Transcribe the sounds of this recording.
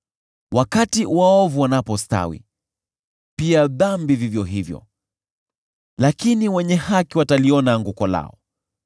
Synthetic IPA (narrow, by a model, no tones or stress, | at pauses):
wakatiwaɔvuwanapɔsta̰wḭ | piaðambivivjɔɦivjɔ̰ | lakiniwɛɲɛhakiwataliɔnaŋɡukɔla̰ɔ